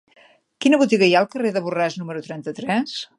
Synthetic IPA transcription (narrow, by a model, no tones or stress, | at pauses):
kinəβut̪iɣəjaəlˠkəreðəβuraznuməɾut̪ɾɛnt̪ət̪ɾɛs